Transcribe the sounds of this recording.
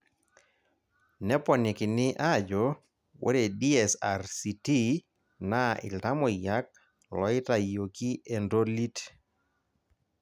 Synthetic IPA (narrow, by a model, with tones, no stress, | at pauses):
nɛ˦pɔ˨ni˨kɪ˨nɪ˦ʔa˦˨d͡ʒo˨˦ | wʔo̰˦ɾe˨di˦ɛ˨sa˨ɾsi˨ti˦ | na˦ɪ̰˨lta˦mɔ˨ja˦k̚ | lɔ̰˦ɪ˦ta˨jo˨ki˦e˨ndo˦li˦t